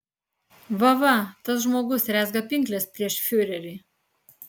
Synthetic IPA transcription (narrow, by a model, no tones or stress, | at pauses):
ʋɐʋɐt̪ɐs̬ʒmoːɡʊsɾʲæːzɡɐpʲɪŋʲˑklʲɛspʲɾʲiɛʃfʲʊɾʲɛɾʲɪː